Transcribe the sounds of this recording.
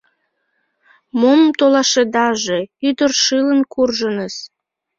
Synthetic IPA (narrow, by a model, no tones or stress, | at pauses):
momt̪olɑʃed̪ɑʒeyd̪ərʃɨlənkurʒənəs